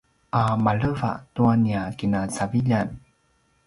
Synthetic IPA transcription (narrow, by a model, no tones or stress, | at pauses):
ʔamaɭəva̰ʔtuaniakinasaviʎan